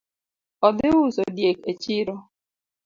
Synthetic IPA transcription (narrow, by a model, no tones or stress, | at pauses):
ɔdɪɣʊsodjeket͡ʃiɾo